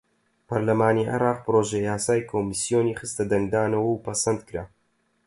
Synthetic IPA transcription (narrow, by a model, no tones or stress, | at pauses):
pɐɾlɐmaːniʔɪ̰ɾaːq̚pɨɾoːʒejaːsaːjkʰomisjoːniχɨst̪ɐd̪ɐŋɡ̚d̪aːnɐwɐwpʰɐsɐnd̪kɨɾaː